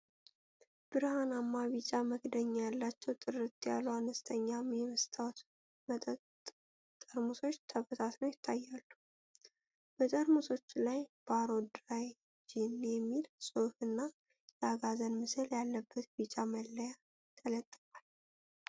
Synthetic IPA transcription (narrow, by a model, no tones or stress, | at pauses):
b̥ɨɾhanamːaβit͡ʃʼaməɡd̪əɲːajalːat͡ʃːɛwt̪ʼɨrɨt̪ja̰luanəst̪ʰəɲːamjɛməst̪ʰawt̪ | m | t̪ʼəɾmuso̞t͡ʃːt̪ʰəβət̪ʰat̪nəwjɪt̪ʰːajːalːu | bət̪ʼəɾmuso̞t͡ʃːlajb̥aɾo̞d̪ɾaj | d͡ʒinjɛmːilsʼohɨnːa | jɛaɡazənmɨsɨljalːəbːət̪bit͡ʃʼaməlːəja | t̪ʰələt̪ʼːɨfʼal